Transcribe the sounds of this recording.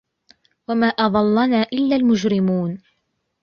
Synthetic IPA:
wamaːʔɑðˤɑlːɑnaːʔɪlːaːlmʊd͡ʒɾɪmuːn

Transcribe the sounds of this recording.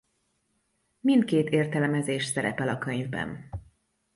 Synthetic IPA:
mint̪̚keːt̪eːrt̪ɛlmɛzeːʃsɛɾɛ̰pɛlɒkøɲvbɛ̰n

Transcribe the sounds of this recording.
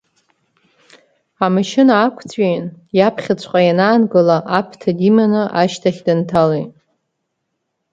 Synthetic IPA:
amɨʃɪnaːkʷʰt͡sʰʼɥejnjapʰχʲat͡ɕʷʰʼqʼajanaːnɡɨlaʔapʰtʰadimanɨʔaʃtʰaχʲdɨntʰalejtʼ

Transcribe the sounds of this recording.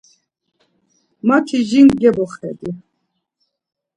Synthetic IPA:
mat̪ʰiʒiŋɡʲɛbɔχɛ̰d̪i

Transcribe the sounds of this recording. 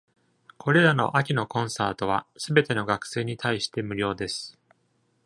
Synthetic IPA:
kʰo̞ɾe̞ɾano̞̰ʔakʲino̞kõ̞ɰ̃saːt̪o̞β̞a̰sɨbe̞t̪e̞no̞ɡakɯ̟̥se̞ːɲ̟it̪ʰaiɕi̥t̪e̞mɯ̟ɾʲo̞ːd̪e̞sɨ̥

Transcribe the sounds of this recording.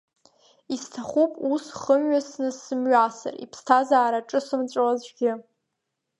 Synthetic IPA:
istʰaχupʼusχəmɥasnɨsɨmɥasa̰rḭpʰstʰazaːɾaʈ͡ʂʼɨsɨmt͡ɕʷʼlazɡʲɪ

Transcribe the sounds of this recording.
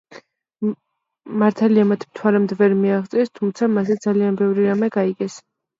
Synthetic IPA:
maɾt̪ʰaliamat̪ʰmt̪ʰwaɾɛmd̪vɛɾmiaʁt̪sʼɛst̪ʰumt̪sʰamasɛd̪zalianbɛvɾiɾamɛɡaiɡɛs

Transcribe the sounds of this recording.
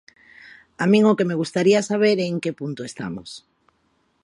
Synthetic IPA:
amĩŋokemeɣ̞ust̪aɾiasaβ̞eɾeŋkepunt̪oest̪a̰mo̰s

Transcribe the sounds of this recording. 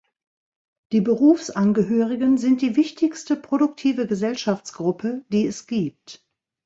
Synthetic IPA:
d̥iːbəʁuːfsʔanɡəɦøːʁɪɡənzɪnt̚d̥iːvɪçtʰɪçstəpʁ̥odʊk̚tʰiːvəɡəzɛlʃaft͡sɡ̥ʁʊpʰəd̥iːɛsɡ̥iːp̚t

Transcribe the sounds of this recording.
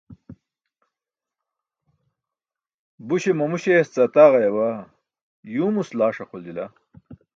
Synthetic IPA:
buɕemɐmuɕest͡sɐt̪aːʁɐjɐwa | juːmuslaːʂɐχold̪ila

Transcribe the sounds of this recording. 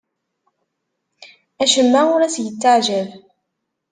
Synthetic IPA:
æʃəmːaʊɾæsjət͡sːaʕʒæv

